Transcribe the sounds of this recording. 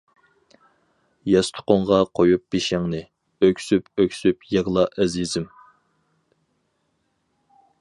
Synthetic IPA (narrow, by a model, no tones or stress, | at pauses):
jɛst̪ʰʊ̥qoɴʁɑqʰojup̚biʃæŋnɨ | økʲsypøkʲsypjeʁlˠɑʔɛzizɪm